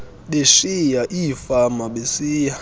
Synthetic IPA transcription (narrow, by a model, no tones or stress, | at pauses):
ɓeʃijaʔifamaɓesiːja